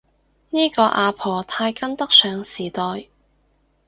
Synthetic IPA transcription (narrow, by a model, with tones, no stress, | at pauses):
niː˥kɔː˧ʔaː˨˧pʰɔː˨˩t̪ʰaː˧jkɐ˥nt̪ɐ˥k̚sœː˨˧ŋsiː˨˩t̪ɔː˨˧j